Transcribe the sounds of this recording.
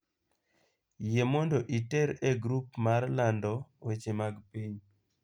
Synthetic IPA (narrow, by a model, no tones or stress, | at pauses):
jemɔndoʔitɛɾɛɡɾupmarlandɔwet͡ʃemaɡpiɲ